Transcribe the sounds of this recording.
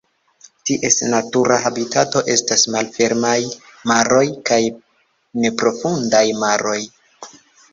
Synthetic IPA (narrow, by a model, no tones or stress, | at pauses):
tiʔe̞snatuɾaɦabitato̞ʔe̞stasmalfe̞ɾmajmaɾo̞jkaj | ne̞pɾo̞fundajmaɾo̞j